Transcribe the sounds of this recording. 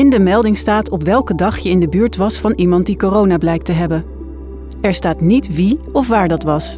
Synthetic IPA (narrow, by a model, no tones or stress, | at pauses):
ɪndəmɛlˠdɪŋstaːtɔpʋɛlˠkədɑχjəɪndəbyːɹtʋɑsfɑnimɑnt̚dikorownaːblɛjk̚təɦɛbən | ɛɹstaːtnitʋiɔfʋaːɹdɑtʋɑs